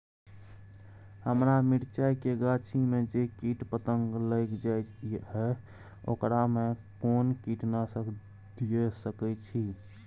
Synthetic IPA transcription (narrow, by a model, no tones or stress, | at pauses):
həmɾamiɽt͡ʃajkeɡat͡ʃʰimed͡ʒekiʈpət̪əŋɡləkd͡ʒajt͡ʃɦɛ | o̰kɾamekonkiʈnasək | d̪ijesəkɛt͡ʃʰi